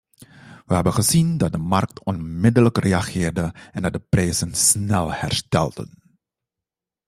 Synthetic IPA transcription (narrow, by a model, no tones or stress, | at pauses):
ʋəɦɛbənχəzindɑt̚dəmɑrk̚tɔnmɪdələkreɑχɪːrdəʔɛndɑt̚dəprɛjzənsnɛlˠhɛ̰ɹstɛ̰lˠdə̰n